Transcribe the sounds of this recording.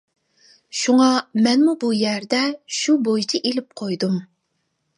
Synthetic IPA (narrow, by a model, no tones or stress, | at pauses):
ʃuŋɑmɛnmubujɛɾd̪ɛʃubojit͡ʃʰɪʔelɪp̚qʰojd̪um